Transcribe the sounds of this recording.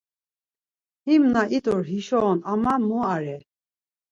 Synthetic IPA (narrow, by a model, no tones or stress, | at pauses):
himnaʔit̪ʼuɾɦiʃɔːnamamuaɾɛ